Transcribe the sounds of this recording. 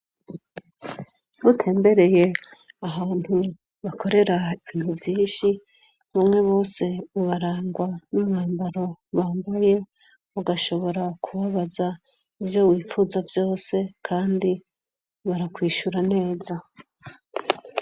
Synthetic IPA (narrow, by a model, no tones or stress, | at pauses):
βutʰe̞ːmbe̞ɾe̞je̞aβaːn̥hu | βakʰo̞ɾe̞ɾaiin̥huvjiːnʃi | βamŋe̞βo̞ːse̞uβaɾaːŋɡwanumŋaːmbaɾo̞βaːmbaje̞ | βuɡaʃo̞βo̞ɾakʰuβaβaza | ivjo̞wiːfuzavjo̞ːse̞kʰaːndi | βaɾakwiːʃuɾane̞ːza